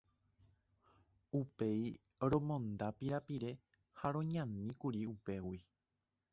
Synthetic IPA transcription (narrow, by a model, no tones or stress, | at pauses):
upe̞i | ɾõ̞mõ̞nd̪apiɾapiɾe̞ | haɾõ̞ɲãnĩkuɾiupe̞wi